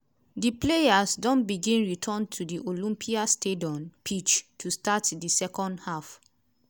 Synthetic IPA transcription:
diplejasdɔ̃nbiɡĩnɹitʰɔ̃ntʰudiʔolĩmpʰiastʰediɔ̃npʰit͡ʃtʰustatdisɛkɔ̃ndhaf

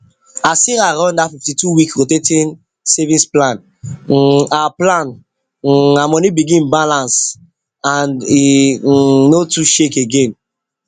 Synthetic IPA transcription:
asiɾaɾɔ̃ndafiftituwikɾotetĩn | sɛvĩsplãn | aaplãn | amɔnibiɡĩnbalãns | ãniː | otuʃekeɡẽn

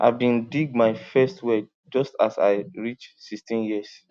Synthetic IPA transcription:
ʔa̰ɪvbĩndiɡ̚maɪfɛstʰwe | d͡ʒɔstasa̰ɪɹit͡ʃsistĩnjiəs

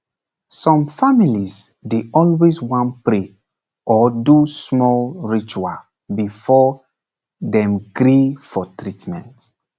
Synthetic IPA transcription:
sɔ̃mfamiliz | deɔlweswɔ̃npɹe | ʔɔdusmɔlɹit͡ʃual | bifɔ | ðɛ̃mɡɾifɔtʰɹitmɛ̃nt

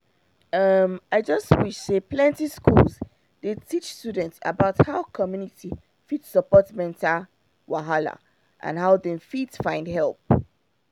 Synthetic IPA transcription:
ʌmaɪd͡ʒʌstwɪʃseplɛ̃ntiskulz | detʰit͡ʃstudɛ̃ntsə̰baʊthaʊkʰɔmjuniti | fitsəpɔtmɛ̃ntʰa | waɦala̰ | ʔã̰nɦaʊðɛ̃nfitsfãɪ̃ndɦɛlˠp̚

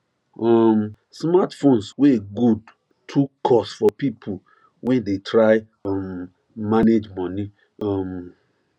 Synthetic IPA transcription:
ɔm | smatfõnsweɡud | tʰukʰɔsfɔpipʰo | wʔɛ̃ndetʰɹaɪ | ɔm | maned͡ʒmɔ̃ni | ɔm

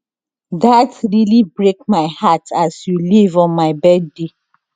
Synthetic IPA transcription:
datɹilibɹek̚maɪhatasjulivɔ̃nmaɪbɛd̚de

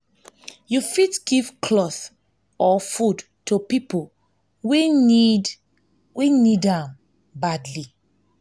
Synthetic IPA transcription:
jufitɡ̥iv̥kʰlɔθ | ɔfud | tupipo | we | wenidãm | badli

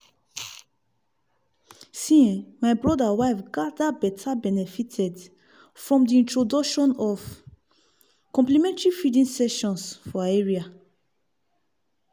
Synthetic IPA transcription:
sĩɛ̃majbɹɔdawajfɡadabɛtʰabɛnɛfitʰɛd | fɹɔ̃mdiĩntɹodɔkʃɔ̃nɔf | kɔ̃mplimɛ̃ntɹifidĩnsɛʃɔ̃nsfɔaɛɹia

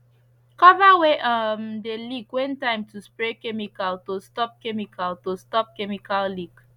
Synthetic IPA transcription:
kɔvaweʔamdeliɡwɛ̃ntãɪ̃mtʰuspɹekɛmikaltostɔp̚kɛmikʰaltostɔp̚kɛmikalliɡ

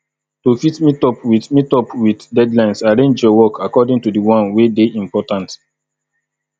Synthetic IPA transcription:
tofitmitɔpwiθmitɔpwiddɛdlãɪ̃nsaɹẽnd͡ʒɔwɔkʰakɔdĩŋtudiwɔ̃nwedeʔĩmpɔtãnt

